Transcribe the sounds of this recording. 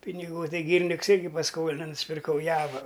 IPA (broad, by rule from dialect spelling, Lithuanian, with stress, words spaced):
pʲɪnʲɪˈɡuː ˈtɐɪ ɡʲiːrʲɪˈnʲɪks ˈɪrʲɡʲɪ pɐsˈkoːlʲɪnɐ nʊsʲɪpʲɪrˈkɐʊ ˈjæːʋɐ